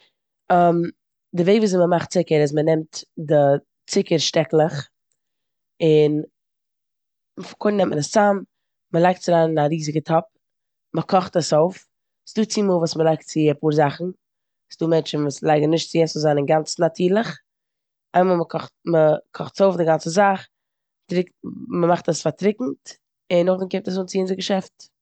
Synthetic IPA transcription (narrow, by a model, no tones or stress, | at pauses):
am | dɪveɪkvuːs̬ɪməmaχtt͡sɪkəɾɪzmənɛmtdɪ | t͡sɪkəɾʃtɛklˠəχ | ɪn | fkʰʊnːɛmtmənəst͡sam | məlˠaɪk̚tt͡sɪɾaːnɪnaɾiːzɪɡətʰɔp̚ | məkʰɔχtəsoʊf | sduːt͡siməlˠvuːsməlˠaɪk̚tt͡sɪəpuːɾzaχn̩ | sduːmɛnt͡ʃn̩vuːslˠaɪɡnnɪʃtt͡sɪɛsəzanənɡant͡snatʰiːɾlˠəχ | aɪmaːlˠməkʰɔχtməkʰɔχtsoʊfdɪɡant͡səzaχ | tɾɪk̚tməmaχtəsfaɾtɾɪkŋ̩t | ɪnʊχdɪnkeɪp̚təs̬uːnt͡sɪɪnzəɾɡəʃɛft